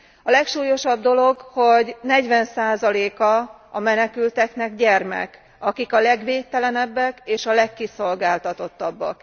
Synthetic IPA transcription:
ɒlɛkʃuːjo̞ʃɒb̚d̪o̞lo̞ɡho̞ɟnɛɟʋɛnsaːzɒleːkɒ | ɒmɛnɛkylt̪ɛknɛɡɟɛrmɛ̰k | ɒkikɒlɛɡʋeːtt̪ːɛlɛnɛbːɛkeːʃɒlɛkːiso̞lɡaːlt̪ɒt̪o̞t̪ːɒbːɒ̰k

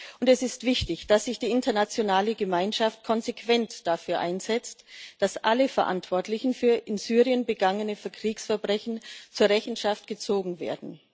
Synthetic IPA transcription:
ʔʊntɛsɪstv̥ɪçtɪçd̥asz̥ɪçd̥iːʔɪntɐnat͡sjonaːləɡəmaɪnʃaft̚kʰɔnzekv̥ɛntd̥afyːɐʔa̰ɪnzɛt͡std̥asʔaləfɛɐʔa̰ntv̥ɔɐtlɪçn̩fyːɐʔɪnzyːʁiənbəɡaŋənəfɛɐkʁ̥iːksfɛɐbʁɛçn̩t͡suːɐʁɛçn̩ʃaftɡ̥ət͡soːɡŋ̩vḛːɐdn̩

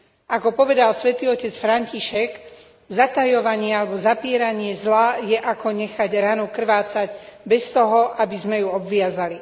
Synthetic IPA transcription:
ʔakɔpɔʋɛd̪alsʋɛt̪iːɔcɛt͡sfɾaɲciʃɛɡ | zat̪ajɔʋaɲɪɛalɛbɔzapɪɛɾaɲɪɛzlajɛʔakɔɲɛxaɟɾanukr̩ʋaːt͡saɟbɛst̪ɔɦɔʔabizmɛjuɔbʋɪazali

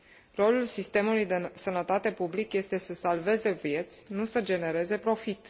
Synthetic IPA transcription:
ro̞lulsist̪e̞mulujd̪esənət̪at̪e̞publikje̞st̪e̞səsalve̞ze̞vje̞t̪sʲnusəd͡ʒe̞ne̞ɾe̞ze̞pɾo̞fit̪

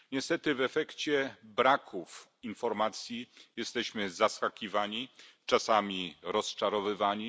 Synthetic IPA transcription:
ɲɛst̪ɛt̪ɘvɛfɛkt͡ɕɛbɾakʰufinfɔɾmat̪sʲjijɛst̪ɛɕmɘzaskakʲivaɲit͡ʂasamʲiɾɔst͡ʂaɾɔvɘvaɲi

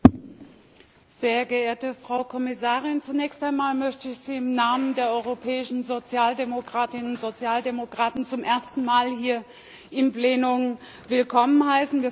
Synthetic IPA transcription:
z̥eːɐɡəʔeːɐtəfʁ̥aʊkʰɔmɪsaːʁɪnt͡sunɛːçstaɪnmaːlmœçtəɪçz̥iːɪmnaːməndeːɐʔɔʏʁopʰɛːɪʃn̩zot͡sjaːldemokʁ̥aːtɪnnz̥ot͡sjaːldemokʁ̥aːtn̩t͡sʊmʔeːɐstn̩maːlhiːɐ | ʔɪmpl̥eːnʊm | vɪlkʰɔmənɦaɪsn̩viːɐ

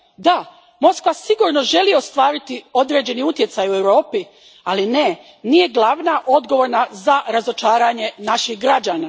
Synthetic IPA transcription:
d̪a | mo̞skʋasiɡuɾno̞ʒe̞liost̪ʋaːɾit̪io̞d̪ɾe̞ːd͡ʑe̞niut̪je̞t̪sajue̞wɾo̞ːpi | aline̞ | niːje̞ɡlˠaʋnaʔo̞d̪ɡo̞ʋo̞ɾnazaɾazo̞t͡ʃaːɾaɲe̞naʃixɡɾad͡ʑaːna

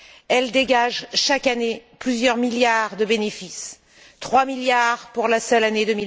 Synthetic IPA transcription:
ɛld̪eɡaʒʃakaneplyzjœʁmiljaʁd̪əbenefis | t̪χwamiljaʁpuʁlasœlaned̪əmi

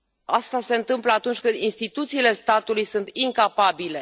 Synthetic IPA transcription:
ast̪ase̞ɨnt̪ɨmpləat̪unt͡ʃʲkɨnd̪inst̪it̪ut̪siːle̞st̪at̪ulujsunt̪iŋkapabile̞

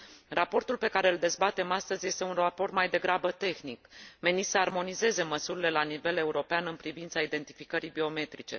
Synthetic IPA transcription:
rapo̞rt̪ulpe̞kaɾe̞ɨld̪e̞zbat̪e̞mast̪əzje̞st̪e̞unrapo̞rt̪majd̪e̞ɡɾabət̪e̞xnikme̞nit̪səarmo̞nize̞ze̞məsuɾile̞lanive̞le̞uɾo̞peanɨnpɾivint̪said̪e̞nt̪i̥fikəɾijbio̞me̞t̪ɾit͡ʃe̞̰

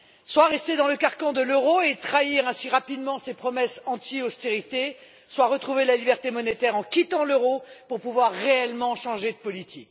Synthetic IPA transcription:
swaʁɛst̪ed̪ɑ̃ləkaʁkɑ̃d̪əløʁoet̪χaiʁɛ̃siʁapid̪mɑ̃sepχɔmɛsɑ̃t̪iost̪eʁit̪e | swaʁət̪χuvelalibɛʁt̪emɔnet̪ɛʁɑ̃kʲit̪ɑ̃løʁopuʁpuvwaʁːeɛlmɑ̃ʃɑ̃ʒed̪əpɔlit̪ik

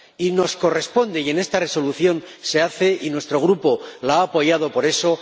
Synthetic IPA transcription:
ino̞sko̞re̞spo̞nd̪eie̞ne̞st̪are̞so̞luθjo̞nse̞aθe̞ʔinwe̞st̪ɾo̞ɣ̞ɾupo̞laaːpo̞ʝað̞o̞po̞ɾe̞so̞

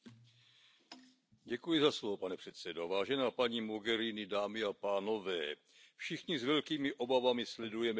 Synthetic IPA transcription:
ɟɛkujɪzaslovopanɛpr̝̥ɛt̪sɛdovaːʒɛnaːpaɲiːmoɡɛɾinɪdaːmɪapaːno̞vɛː | fʃɪxɲɪzvɛlkiːmɪʔo̞bavamɪslɛdujɛmɛ

